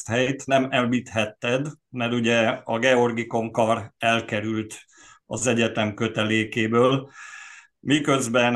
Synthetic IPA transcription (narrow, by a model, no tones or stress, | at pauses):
t̪hɛjt̪nɛmɛlbit̪hɛt̪ːɛd̪mɛrt̪uɟɛɒɡɛo̞rɡiko̞ŋkɒrɛlkɛɾylt̪ | ɒ̰zɛɟɛt̪ɛmkø̞t̪ɛleːkeːbøːl | mikø̞zbɛn